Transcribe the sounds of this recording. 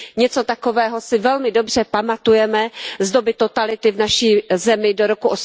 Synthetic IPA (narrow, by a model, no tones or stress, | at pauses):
ɲɛt͡so̞t̪ako̞vɛːɦo̞sɪvɛlmɪdo̞br̝̥ɛpamat̪ujɛmɛzdo̞bɪt̪o̞t̪alɪt̪ɪvnaʃiːzɛmɪdoɾo̞kuʔos